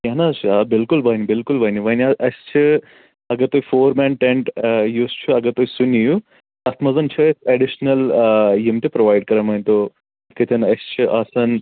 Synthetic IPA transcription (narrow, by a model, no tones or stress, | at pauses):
jɐnat͡ʃʰabilkulbɐjnibilkulʋɐjniʋɐjniɐʔɐst͡ʃʰɨ | ɐɡɐt̪ojifoːɾmɛɳʈeɳʈjuːst͡ʃʰuɐɡɐt̪ojsuniju | ɐt̪mɐzɐnt͡ʃʰɐseɖiʃnɐljimʈipɾɐʋajɖ̚kɐɾɐmɐjnʲt̪o | d̪kɐt̪ʰɐnɐst͡ʃʰuʔaːsɐn